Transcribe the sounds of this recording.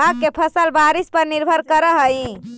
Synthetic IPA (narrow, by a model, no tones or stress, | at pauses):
akːepʰəsəlbaɾispəɾniɾbʱəɾkəɾəɦəĩ